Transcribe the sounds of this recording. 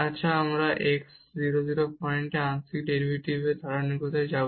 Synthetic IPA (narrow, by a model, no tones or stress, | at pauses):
atːʃʰaamɾaʔeksziɾoziɾopɔjɳʈeãnsik̚ɖeɾibʱiʈibed̪ʱaɾanikɔt̪ʰajd͡ʑabo